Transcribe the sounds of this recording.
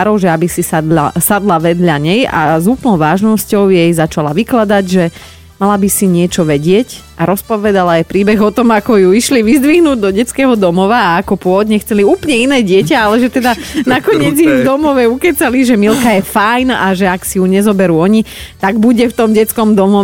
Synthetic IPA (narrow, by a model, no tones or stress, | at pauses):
ɾɔʊʒɛabisisad̪a̰sad̪laʋɛd̪ʎaɲɛja̰zuːplnɔʊʋaːʒnɔscɔʊjɛjzat͡ʃalaʋiklad̪aɟʒɛ | malabisiɲɪɛt͡ʃɔʋɛɟɪɛc | ʔaɾɔspɔʋɛd̪alaɛpɾiːbɛɣɔt̪ɔmakɔjuiʃliʋizd̪ʋiɦnuːɟd̪ɔɟɛt͡skɛːɦɔd̪ɔmɔʋaːkɔpʊɔɔd̪ɲɛxt͡sɛliuːplɲɛinɛːɟɪɛcaalɛʒɛt̪ɛd̪anakɔɲɲɪɛd͡zid̪ɔmɔʋɛukɛt͡saliʒɛmilkajɛfajnaʒɛaksijuɲɛzɔbɛɾuːɔɲit̪aɡbuɟɛft̪ɔmɟɛt͡skɔmd̪ɔmɔ